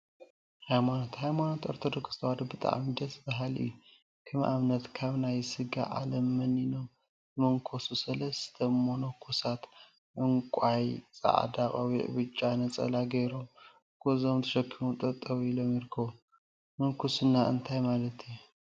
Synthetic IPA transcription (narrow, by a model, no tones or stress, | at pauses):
hajmanot̪hajmanot̪oɾt̪ʰod̪okɨ̥st̪ʰwad̪obɨt̪ʼa̰ʕmid̪ɐsbaɦalɨ̰jːu | kʰɨmʔa̰mnɐt̪kʰaβnajsɨɡa̰ʔa̰lɐmːɐninom | zɨmɐŋkʰo̞susɐlɐst̪ʰɐmːonokʰusat̪ | ʔɨŋkʷʼajt͡sʼa̰ʕa̰d̪aχʼawiʔβɨt͡ʃʼːanɐt͡sʼɐ̰laɡɐjɾom | kʰozomt̪ʰɐʃɐkʰːimut̪ʼɐt̪ʼːɐβilo̞mjɪɾkʰːɐβu | mɨŋkʰusunːaʔɨ̰nt̪ʰajmalɐt̪ʰi